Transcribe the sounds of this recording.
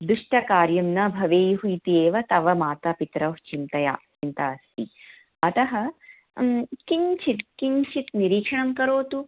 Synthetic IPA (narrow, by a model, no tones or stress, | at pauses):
d̪ɾuʂʈɐkaːɾjɐmnɐbʱɐʋeːjɦuit̪ieːʋɐt̪ɐʋɐmaːt̪ɐpit̪ɾɐt͡ʃint̪ɐja̰ːt͡ʃint̪ɐɐst̪ḭ | ɐt̪ɐɦɐ | kiɲt͡ʃʰit̪̚kiɲt͡ʃʰit̪niɾiːkʂɐɳɐmkɐɾoːt̪u